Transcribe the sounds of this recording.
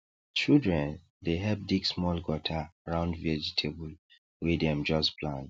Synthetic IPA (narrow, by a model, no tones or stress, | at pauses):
t͡ʃildɹɛ̃n | deɦɛp̚diɡsmɔlɡɔtʰaɹãʊ̃ndvɛd͡ʒitʰebul | wedɛ̃md͡ʒɔspʰlãnd̥